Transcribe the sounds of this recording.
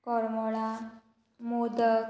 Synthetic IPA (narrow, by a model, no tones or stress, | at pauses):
kɔɾmɔɭa | mod̪ə